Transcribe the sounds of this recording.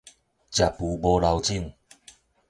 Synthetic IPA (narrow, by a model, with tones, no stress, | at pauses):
t͡ɕja˨˩pu˨˦bɔ˧la˧wt͡ɕi˥˧˨ŋ